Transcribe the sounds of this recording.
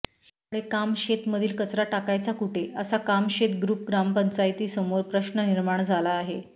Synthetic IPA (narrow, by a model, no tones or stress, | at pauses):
ɽekamɕet̪məd̪ʱiːlkət͡sɾaʈakajt͡sakuʈʰeəsakamɕet̪ɡɾuːp̚ɡɾampəɲt͡ɕajt̪iːsəmoɾpɾəɕnəniɾmaɳd͡zʱalaːɦe